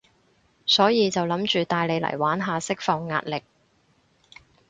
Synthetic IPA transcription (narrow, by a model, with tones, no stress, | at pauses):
sɔː˨˥jiː˨˧t͡sɐ˨wlɐ˨˥mt͡ʃyː˨t̪aː˨jle˨˧jlɐ̰˨˩jwaː˨˥nɦaː˨˧sɪ˥k̚fɔː˨ŋːa̰ː˧t̚lɪ˨k̚